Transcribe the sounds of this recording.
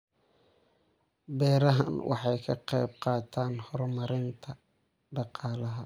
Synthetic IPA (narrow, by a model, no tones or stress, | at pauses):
bɛːɾɐɦɐ̰nwʔɑ̰ħɑjkʰɐqɛjb̚qɑːt̪ʰaːnhɔrmɐɾɪnt̪ʰɐ | ɖɑqɑːlɐɦɐ